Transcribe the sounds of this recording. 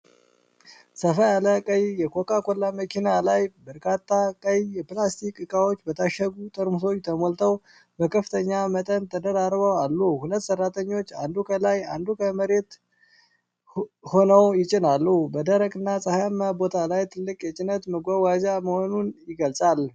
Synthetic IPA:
səfəjaləkʼəjjɛkʰokʰʼakʼolːaməkʰinalajbəɾkʰat̪ʰːakʼəjjɛplast̪ʰikʼɨkʼawo̞t͡ʃːbət̪ʰaʃːəɡut̪ʼəɾmuso̞t͡ʃːt̪ʰəmolt̪ʰəw | bəkʰəfɨt̪ʰəɲːamət̪ʼənt̪ʰəd̪əɾaɾbəwalːuhulət̪ːsərːat̪ʰəɲːo̞t͡ʃːand̪ukʰəlajand̪ukʰəməɾe̞t̪ | ho̞nəwjɪt͡ʃʼɪnalːubəd̪əɾəkʼɨnːasʼəhajmːabo̞t̪ʰalajt̪ʰɨlːɨkʼjɛt͡ʃʼɪnət̪məɡʷawazaməho̞nunjɪɡəlsʼal

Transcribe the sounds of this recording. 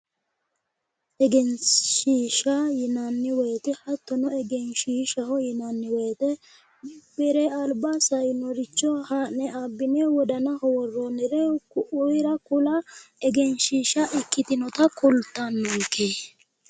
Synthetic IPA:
ʔɛɡɛnʃiːʃajɪnɐnːɪwɛːt̪ɛhɐt̪ːɔnɔɛɡɛnʃiːʃɐhɔjɪnɐnːɪweːt̪ɛ | mb̥ɛɾɛɐlbasɐjnɔɾɪt͡ʃːɔhanɛabːɪnewɔd̪ɐnɐhɔwɔrːɔnɛɾɛkʊʔʊjɾɐkʊlɐɛɡɛnʃiːʃɐʔɪkːɪt̪ɪnɔt̪ɐkʊlt̪ːɐnːɔkʰːe

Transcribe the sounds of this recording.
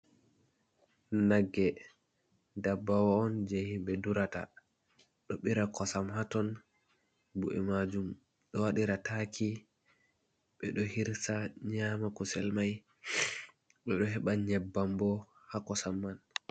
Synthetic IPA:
naɡːɛ | dabːawaːnd͡ʒehimɓɛduɾata̰ | ɗɔɓiɾakɔsamɦatɔn | buʔɛ̰mad͡ʒum | ɗɔwaɗiɾatʰakʰi | ɓɛɗɔhiɾsaɲamakɔsɛlmaj | ɓɛɗɔɦɛɓaɲɛbːambɔ | hakɔsamːan

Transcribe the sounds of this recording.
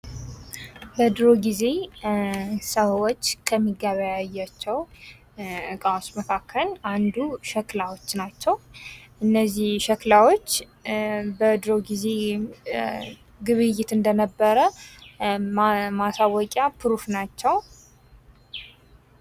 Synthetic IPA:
bəd̪ɾo̞ɡize̞ | səwot͡ʃːkʰəmːiɡaβəjajːat͡ʃːɛw | kʼawsməkʰakʰːəland̪uʃɛklawot͡ʃːnat͡ʃːɛwʔɨnːəzːihʃɛklawo̞t͡ʃː | bəd̪ɾo̞ɡize̞ | ɡɨβɨjːɪt̪ɨnd̪ənəbːəɾə | masawɔkʼjapʰɨɾufnat͡ʃːɛw

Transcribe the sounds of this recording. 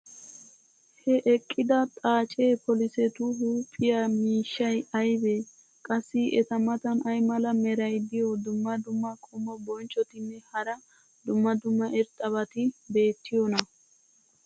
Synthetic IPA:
hɛʔɛkʼːɪd̪ɐt̪ʼaːt͡ʃʼeːpʰɔlɪsɛt̪ʊɦuːpʼːɪjɐmiːʃːɐjɐjbɛ | kʼɐsːɪʔɛt̪ɐmɐt̪ɐnɐjmɐlɐmɛɾɐjd̪ɪjɔd̪ʊmːɐd̪ʊmːɐkʼɔmːɔbɔnt͡ʃʼːɔt̪ɪnːɛhɐɾɐ | d̪ʊmːɐd̪ʊmːɐʔɛɾt̪ʼːɐβɐt̪ɪbe̞ːt̪ːɪjɔnɐ

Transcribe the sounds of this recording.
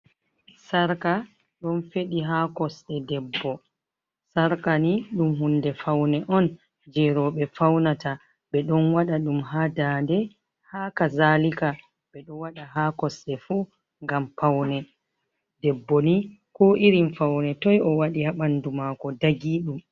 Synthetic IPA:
saɾka | ɗɔnfeɗiɦakɔsɗɛdɛbːɔ | saɾkaniɗumhundɛfawnɛʔɔn | d͡ʒɛɾɔɓɛfawnata | ɓɛɗɔnwaɗaɗumɦadandɛ | haːkazalika | ɓɛɗɔwaɗaɦaːkɔsɗɛfu | ŋɡampawnɛ | dɛbːɔni | kɔʔiɾimfawnɛtɔjɔwaɗihaɓandumaːkɔdaɡiːɗum

